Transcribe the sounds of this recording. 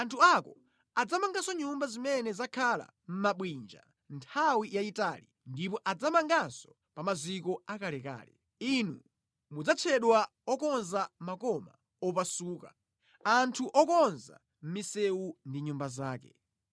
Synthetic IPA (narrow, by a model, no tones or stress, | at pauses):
antʰuakɔ | ad͡zamaŋɡasɔɲumbazimɛnɛzakʰala̰ | m̩maɓwind͡ʒa̰ | ntʰawijaitaːlḭ | ndipɔʔad͡zamaŋɡansɔ̥ | pamazikɔakalɛka̰ːlɛ | inṵ | mud͡zat͡ʃʰɛɗwa | ɔkɔnzamakɔma | ɔpasuːka̰ | antʰuʔɔkɔnza̰ | m̩misɛwundiɲumbazaːkɛ̰